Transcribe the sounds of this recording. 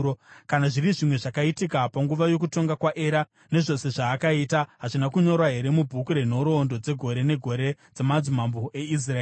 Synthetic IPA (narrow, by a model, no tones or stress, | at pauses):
kanaʐiriʐimwe̞ʐakaitikapaŋɡuʋajo̞kuto̞ŋɡakwaʔe̞ɾa | ne̞ʐo̞se̞ʐaːkaiːtaɦaʐinakuɲo̞ɾwaɦe̞ɾe̞mubʱukuɾe̞n̤o̞ɾo̞ːndo̞d͡ze̞ɡʱo̞ɾe̞ne̞ɡʱo̞ɾe | d͡zamad͡zumamboʔe̞is̬raeː